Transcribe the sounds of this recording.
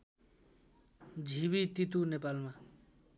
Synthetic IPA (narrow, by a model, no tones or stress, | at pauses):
d͡zʱiβit̪it̪unepalma